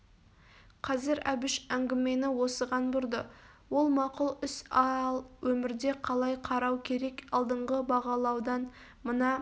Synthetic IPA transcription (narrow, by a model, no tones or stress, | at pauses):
qʰɑzɪɾæbɪʃæŋɡʲɪme̞nɪwo̞səʁɑnbʊɾd̪ə | wo̞lˠmɑqʊlˠʏsɑlˠwɵmɪɾd̪e̞qʰɑlˠɑjqʰɑɾɑwkʲʰe̞ɾe̞kɑlˠd̪əɴʁəbɑʁɑlˠɑwd̪ɑn | mənɑ